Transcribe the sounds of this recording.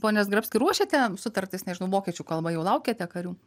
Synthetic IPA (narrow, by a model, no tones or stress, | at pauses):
poːnʲɛsɡɾɐpsʲkʲɪɾuɔʃʲeːt̪ʲɛsʊt̪ɐrʲt̪ʲɪsnʲɛʒʲɪnɐʊʋoːkʲɛt͡ʃʲuːkɐlˠbɐjɛʊlˠɐʊkʲeːt̪ʲɛkɐɾʲuː